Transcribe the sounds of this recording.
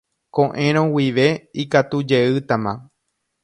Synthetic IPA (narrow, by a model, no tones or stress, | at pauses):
kõʔẽɾ̃õwiʋe̞ikat̪ud͡ʒe̞ɨt̪amã̰